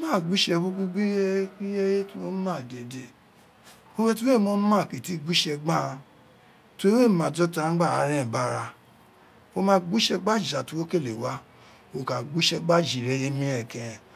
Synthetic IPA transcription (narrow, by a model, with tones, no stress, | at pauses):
o˦mãː˦˨ɡ͡bu˦ʃɛ˧ku˦ɡu˦ɡ͡bi˦i˦je˦je˦tu˦wo˦u˦mã˦˨de˨de˨ | o˦wɛ˦tu˦e˦˨˦mo˦nu˦mã˦˨ke˨ti˦ɡ͡bu˦ʃɛ˧ɡ͡ba˦˨˧ | to˨˦we˦˨mã˨d͡ʒɔ˦ta˧ã˦ɡ͡ba˦˨a˧ɾɛ̃˦˨ba˦ɾa˧ | o˦mã˦ɡ͡bu˦ʃɛ˧ɡ͡ba˦d͡ʒi˨a˨tu˧wo˦ke˦˨le˨wa˦ | o˧ka˨ɡ͡bu˦ʃɛ˧ɡ͡ba˦d͡ʒi˨ɾɛ˨˦je˦mĩ˦ɛ˨kɛ̃˨